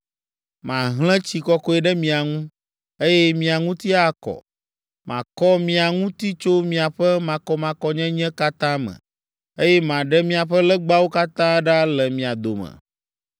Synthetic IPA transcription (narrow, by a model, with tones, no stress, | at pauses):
mã˨ɦl̃ɛ̃˦t͡ɕi˨kɔ˦kɔ˦ɛ˦˨ɖɛ˦mĩ˨a˨ŋũ˦ | e˦jɛ˦mĩ˨a˨ŋũ˦t̪i˦a˦kɔ̰˨ | mã̰˨kɔ˦mĩ˦a˨ŋũ˦t̪i˦t͡ʃo˦mĩ˨a˨ɸɛ˦mã˨kɔ˦mã˨kɔ˦ɲɛ̃˦ɲɛ̃˦ka˦t̪ã˦mɛ̰̃˨ | e˦jɛ˦mã˨ɖɛ˦mĩ˦a˨ɸɛ˦lɛ˦ɡ͡ba˦wo˦ka˦t̪ã˦ɖa˦lɛ˨mĩ˨a˨d̪o˨mɛ̰̃˨